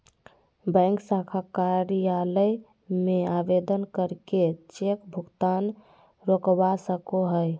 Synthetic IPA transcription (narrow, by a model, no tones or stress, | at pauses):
bɛ̃ŋksakʰakaɾijaləj | meabed̪ənkəɾket͡ʃekbʱuɡt̪an | ɾokwasəkoɦəj